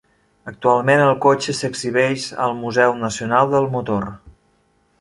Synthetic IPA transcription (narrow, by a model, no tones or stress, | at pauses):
ək̚t̪ualˠmenəlˠkot͡ʃəsəɡziβ̞ɛʃə̰lˠmuzɛwnəsiunalˠd̪əlˠmut̪or